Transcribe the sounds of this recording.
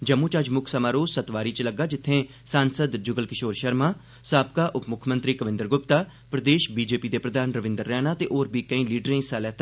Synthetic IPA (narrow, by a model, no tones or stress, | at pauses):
d͡ʒəmːũːt͡ʃəd͡ʒmʊkʰsəmaːɾoːzsət̪ʋaːɾiːt͡ʃləɡːaːd͡ʒɪt̪ʰːẽː | saːnsəd̪d͡ʒʊɡəlkɪʃoːɾʃəɾmãː | saːp̚kaːʔʊpmʊkʰmə̃nt̪ɾiːkəʋɪ̃nd̪əɾɡʊpt̪aː | pɾəd̪eːʃbiːd͡ʒeːpiːd̪eːpɾəd̪ʱaːnɾəʋɪ̃nd̪əɾːɛːnaːt̪eːʔoːɾbiːkəĩːliːɖɾẽːsaːlɛːt̪ʰː